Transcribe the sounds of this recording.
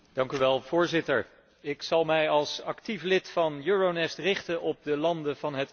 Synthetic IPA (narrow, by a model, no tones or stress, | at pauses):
d̥ɑŋkyʋɛlˠv̥ʊːɹzɪtəɹ | ɪksɑlˠmɛjɑlˠsɑktiflɪtfɑnjøːɹonɛstrɪχtənɔp̚dəlɑndəv̥ɑnɦət